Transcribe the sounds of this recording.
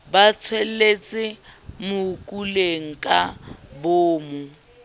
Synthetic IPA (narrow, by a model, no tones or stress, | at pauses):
bat͡sʰwɛlet͡sʼɪmʊkʼuleŋ̩kʼaboːmu